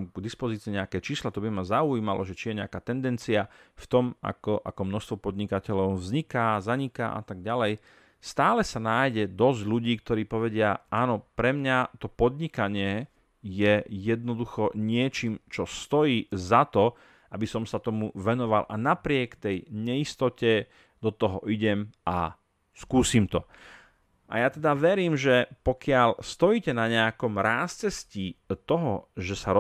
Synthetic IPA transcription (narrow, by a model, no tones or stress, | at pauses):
mɡd̪ispɔziːt͡siɛɲɛakɛːt͡ʃiːslat̪ɔbimazaujiːmalɔʒɛt͡ʃijɛɲɛakaːt̪ɛnd̪ɛnt͡siaft̪ɔma̰kɔʔa̰kɔmnɔst̪ʋɔpɔd̪ɲikacɛʎɔʊvzɲikaːzaɲika̰ʔa̰t̪aɡ̚ɟalɛj | st̪aːlɛsanaːjɟɛd̪ɔzɟʎuɟiːkt̪ɔɾiːpɔʋɛɟɪaʔaːnɔpɾɛmɲat̪ɔpɔd̪ɲikaɲɪɛ | jɛjɛd̪̚nɔd̪uxɔɲɪɛt͡ʃiːmt͡ʃɔst̪ɔjiːzat̪ɔ | ʔabisɔmsat̪ɔmuʋɛnɔʋalʔanapɾɪɛkt̪ɛjɲɛist̪ɔcɛ | d̪ɔt̪ɔɦɔʔiɟɛma̰ | skuːsiːmt̪ɔ | ʔa̰jat̪ɛd̪aʋɛɾiːmʒɛpɔkɪaʎst̪ɔjiːcɛnaɲɛakɔmɾaːst͡sɛscit̪ɔɦɔʒɛsaɾ